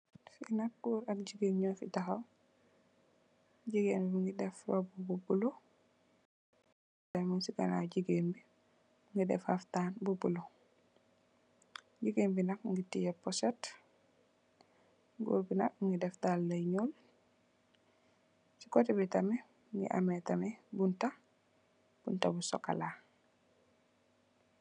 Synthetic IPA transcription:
finak̚ɡ̥uɾak̚ɟiɡeŋɲɔfitaxaw | ɟiɡenbifŋɡidɛflɔbububulo | damunsiɡa̰na̰ɟiɡeːmbi | ŋɡidɛ̰fhaftaːnbubulo | ɟiɡembinak̚ŋɡitijɛpɔset | ɡṵɾbina̰k̚ŋɡidɛfdalːajɲul | si̥kɔtibitamɛ | ŋɡḭʔa̰metamɛbunta | b̥untabusɔ̰ka̰la

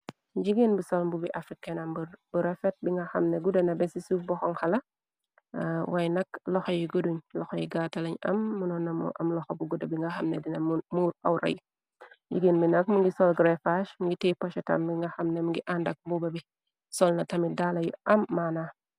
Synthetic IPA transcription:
ɟiɡinbisɔlmbubiʔafɾikenɐmbbuɾɛfɛt̚biŋɡɐxɐmneɡudɐnɐbɛsisufbɔxɔŋhɐlɐ | wajnɐklɔxɔjiɡoduɲlɔxɔjiɡatɐlɐɲɐ̰mːunɔnɐmṵʔɐmlɔxobuɡudɐbiŋɡaxɐmnedinɐmuːɾawɾɐ̰j | ɟḭɡinbinɐkmuŋɡisɔlɡɾefaʃmŋɡitepaʃɛtɐ̰mbiŋɡɐxɐmnemŋɡiʔandɐk̚mbubɐbi | sɔlnɐtɐmidalɐjṵʔɐmːana

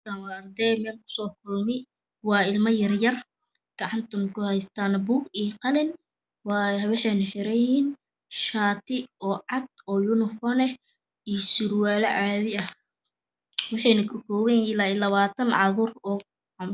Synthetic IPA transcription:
kawɐɐrd̪ɛjmɛːlkʰʊ̥sɔːkʰʊlmɪ | wɑːɪlmɐjɐrjɐr | ɡ̥ɐʕɑnt̪ʰʊŋkʰʊhɛjst̪ʰaːnbuɡijqɑlɪn | wɑjwɑħɑjnɐħɪɾɐjhin | ʃaːt̪ʰɪɔːʕɑd̪̚ɔːjʊnɪfɔːnɛ | ijsɪɾwaːlɐ̰ʕɑːðɪɐh | wɑħɑjnɐkʰʊkʰɔːβɛjnɪlaːɪlɐβaːt̪ʰɐnʕɑðʊrɔː | m

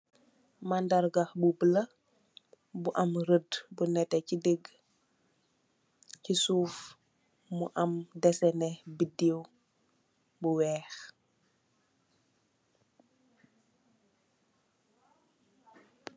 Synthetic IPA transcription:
mandaɾɡaxbubələ | buʔamɾədbunɛtɛcideɡ | cisuːf | muʔamdɛsɛnɛbidiw | buwɛːx

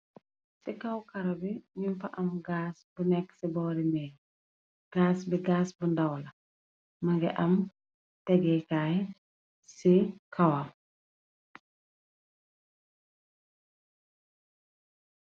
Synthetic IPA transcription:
sikɐwkɐɾɐbiɲuɱfɐʔɐmɡaːsbunɛkːsibɔːɾimɛː | ɡ̥aːsbiɡaːsbundɐwlɐ | mɐŋɡɛʔɐm | tɛɡɛkaːj | sikʰawam

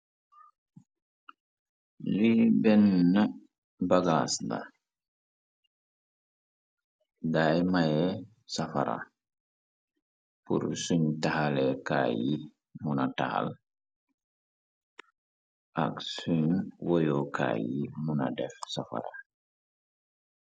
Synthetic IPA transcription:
libɛnːa | baɡasda̰ | dajmajɛ | safaɾa̰ | pṵɾsuɲtahalɛkaji | munataha̰l | ʔa̰ksuɲwojokʰa̰jimuna̰dɛfsafa̰ɾa

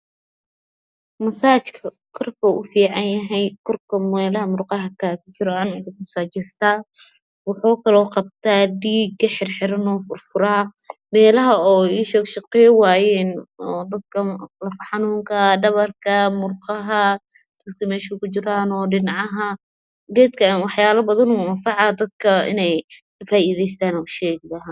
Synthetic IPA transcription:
mɐsaːt͡ʃkʰɐ | kʰɔrkʰɐʔʊfiːʕɑnjɐɦɛjkʰɔrkʰɐmɛːlɐɦɐmʊrqɑɦɐkʰaːkʰʊt͡ʃɪɾaːnɪmɐsaːt͡ʃɪst̪aː | wɑħɔːkʰɐlɔːqɑb̚t̪ʰaːd̪iːɡɐħɪrħɪɾɐnɔːfʊrfʊɾaːmɛːlɐɦɐɔːiʃʃɪqɛwaːjɛːnɔd̪ɐd̪̚kʰɐlɐfɐħɑnuːŋkʰɐɖɐβɐrkʰɐmʊrqɑɦɐ | t̪ɪkt̪ɐmɛːʃɐkʊt͡ʃɪɾaːnɔːɖɪnʕɑɦɐ | ɡɛːd̪kʰɐwɑħjaːlɐbɐðɐnuɐfɑʕɑːd̪ɐd̪̚kʰɐɪ̰nɛj | ɐfaːʔiːðɛjst̪ʰaːnɐʊʃɛːɡlɐɦa

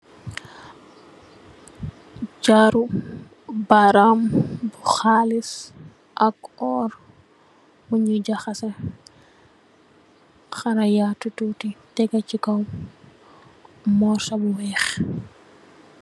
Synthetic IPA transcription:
d͡ʒaɾu | baɾambuxaːlis | ʔakɔːɾ | muɲuɟaxɐsɛ | xɐɾɐjatːutuːtitɛɡat͡ʃikɐw | mɔːɾsɐbuwɛːx

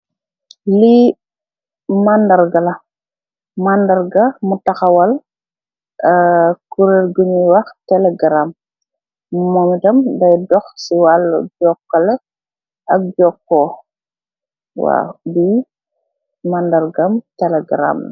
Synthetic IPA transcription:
li | mandɐɾɡɐlɐ | mandɐɾɡɐmutɐxɐwɐl | kuɾeɾɡuɲiwɐxtɛlɛɡɾam | mɔmitɐmdɐjdɔxsiwalːɐ̰ɟɔkːɐlɛ | ɐk̚d͡ʒɔːkːɔː | wa̰bi | mandɐɾɡɐmtɛlɛɡɾa̰ːm

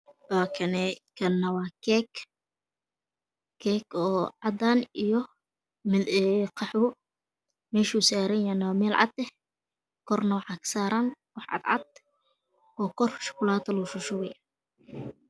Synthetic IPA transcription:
waːkʰɐnɛkʰɐnːɐwɑːkʰɛk | kʰɛːkɔːʕɑd̪aːnijɔ | mɛɛqʰɑħʊ | mɛːʃusaːɾɛjanɐwːmɛːlʕɑ̰d̪ɛ | kʰɔrnɐwɑħɑkʰsaːɾanwɑħʕɑ̰d̪ʕɑ̰d̪̚ | ɔːkʰɔrʃʊ̥kʰʊlaːt̪ɐlʊʃʊʃʊwɛj

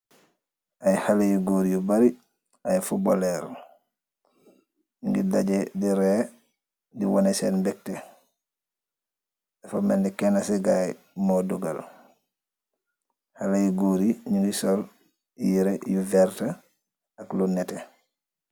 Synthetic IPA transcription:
ʔajhalajuɡoɾijubaɾi | ajfuboleɾ | ŋɡidaɟediɾe | diwonesenbɛk̚te | dafamendikenasiɡaj | moduɡa̰l | halajuɡoɾiɲuŋɡisol | jiɾejuvɛɾta | aklunete

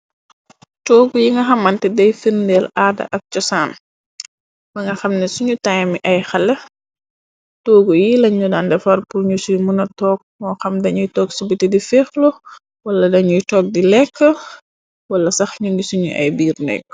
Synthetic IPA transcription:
tɔːɡujiŋɡɐxɐmːɐntɛdɐjfirndɛlʔaːdɐ̰ʔɐk̚t͡ʃɔsaːn | bɐŋɡɐxɐmnɛsuɲutajmiʔɐjxɐlːɛ | tɔːɡujilɐɲudandɛfɐrpurɲusujmunɐtɔːk̚mɔːxɐmdɐɲujtɔːksubitidifɛːxlɔ | wɐlːɐdɐɲujtɔːk̚dilɛkːə | wɐlːɐsɐxɲundisuɲṵʔɐ̰jbiːrnɛ̰k̚

